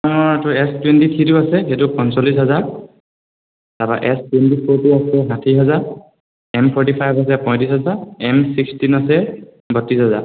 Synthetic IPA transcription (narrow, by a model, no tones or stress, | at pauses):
ɔŋɔɹatʊɛstwentit̪ʰituasɛxetupɔ̃nsɔlːisɦɔzaɹ | taba̰ʔɛstwentipʰoɹtuasɛɦãtʰiɦazaɹ | ɛmpʰɔɹtipʰajbʱas̬ɛpɔ̃j̃tisɦazaɹɛmsikstinasɛ | bɔtːisɦɔza̰ɹ